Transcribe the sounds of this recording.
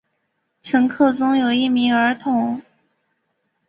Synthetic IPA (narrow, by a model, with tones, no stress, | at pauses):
ʈ͡ʂʰɤ˧˥ŋkʰɤ˥˩ʊʈ͡ʂʊ˥ŋjo˨˩ʊi˥˩mi˧˥ŋə˞˧˥t̪ʰʊ˧˥˦ŋ